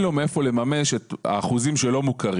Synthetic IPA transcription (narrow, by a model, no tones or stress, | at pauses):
lo̞meefo̞le̞mame̞ʃeta̰ːχuzimʃelo̞mukaʁ